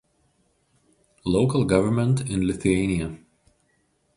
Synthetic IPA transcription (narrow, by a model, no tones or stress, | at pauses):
loʊkəlˠɡʌʋə˞mɛ̃nt̪ɪ̃nlɪθʉɛɪniɐ